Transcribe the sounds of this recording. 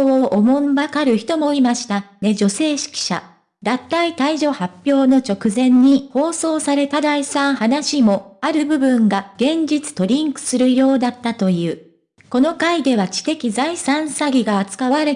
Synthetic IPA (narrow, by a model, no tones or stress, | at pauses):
ooʔomõ̞mbakaɾɯ̟çi̥t̪o̞mo̞imaɕi̥t̪ane̞ʑo̞se̞ːɕi̥kʲi̥ɕa̰ | d̪at̪ːait̪aiʑo̞hapʲjo̞ːno̞t͡ɕo̞kɯ̟zẽ̞ɲ̟ːiho̞ːso̞ːsaɾe̞t̪ad̪aisãɰ̃hanaɕimo̞aɾɯ̟bɯ̟bɯ̟̃ŋɡaɡ̥ẽ̞ɲ̟d͡ʑit͡sɨ̥t̪o̞ɾʲĩŋkɯ̟̥sɨɾɯ̟ijo̞ːd̪at̪ːat̪o̞jɯ̟ː | ko̞no̞kaid̪e̞βat͡ɕi̥t̪e̞kʲizaisãɰ̃saɡʲiɡaːt͡sɨ̥kaβaɾe